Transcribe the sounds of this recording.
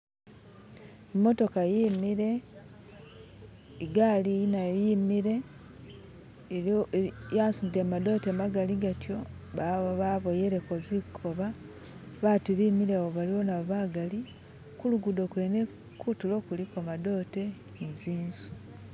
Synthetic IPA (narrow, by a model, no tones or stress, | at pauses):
mːo̞to̞kajiːmiɾe̞ | ɡalinajiːmiɾe̞ | jasuemado̞temaɡaliɡatjo̞ | βaβo̞jeɾeko̞zikʰo̞βa | βatuβimiɾeβoβaliβo̞naβaɡali | kuluɡudokwene | kutulo̞ːkulikomado̞te̞ | iziːnzu̥